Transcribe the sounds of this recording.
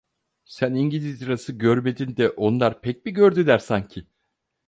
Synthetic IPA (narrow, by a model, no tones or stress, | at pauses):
sæniɲɟilʲizɾasɯɟøɾme̞d̪ind̪ɛʔo̞nlˠaɾpʰɛc̚biɟøɾd̪ylʲæɾsaɲcʰɪ